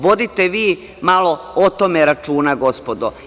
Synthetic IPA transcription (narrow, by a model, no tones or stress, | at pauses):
ʋo̞d̪it̪eʋiː | malo̞ot̪omeɾat͡ʃuːnaɡo̞spod̪o̰